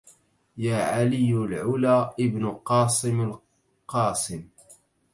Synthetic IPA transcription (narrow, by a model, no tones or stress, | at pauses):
jaːʕalɪjːʊlʕʊlaːʔɪbnʊqɑːsˤɪmal | qɑːsˤɪm